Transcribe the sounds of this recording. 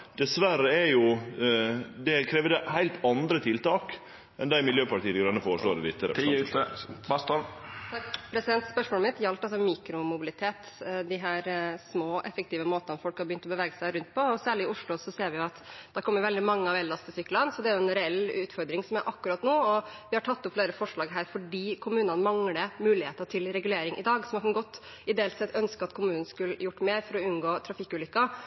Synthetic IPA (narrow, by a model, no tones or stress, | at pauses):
d̪̥ɛsʋæɾəɛɾjʊ | d̪ɛkʰɾeːʋəd̪ɛhæɪlt̪ɑnd̪ɾət̪ʰɪlt̪ɑːk | ɛnd̪æɪmɪljøːpɑʈiːəɾɪɡɾɑnːəfoːɾəʂɭoːɾɛlɪt̪ːəɾə̰ | st̪ːɑpʰɾɛsɪd̪ɛnt̪spœʂmɔːlmɪt̪jɑlp̪ɑlsɔmiːkɾʊmʊbɪlɪt̪ʰeːt̪ | d̪ɪɦæːɾsmoːʔɛfːək̚t̪iːʋəmoːt̪ɑnfɔlkhɑɾbəʏnt̪ɔbəʋɛːɡəsæɪɾʉnt̪̚pʰɔɔsæːɭɪɪʊʂɭʊsɔseːɾʋɪjʊɑt̪d̪̥æɾkʰɔmːəɾʋɛld̪ɪmɑŋːəɑʋɛlːɑst̪ʰɪsyːkːəlɑnsɔd̪ɛæɾjʊɛnɾɛɛlːʉːt̪fɔɾd̪ɾɪŋsɔmæɾʔɑkːʉɾɑt̪noːɔʋɪhɑʈʰɑt̪ːʊpfleːɾəfɔʂɭɑːɡɦæːɾfɔɖiːkʰʊmʉːnənmɑŋləmʉːlɪheːt̪əʈʰɪlɾɛɡʉleːɾɪŋʔɪ̰d̪ɑːɡsɔmɑkɑnɡɔt̪ː | ɪd̪eːlt̪sɛt̪ʰːœnskəɑt̪kʰʊmʉːnn̩skʉljʊʈːmeːɾfɔɾɔʉnɡoːt̪ʰɾɑfɪkːʉːlʏkːɑ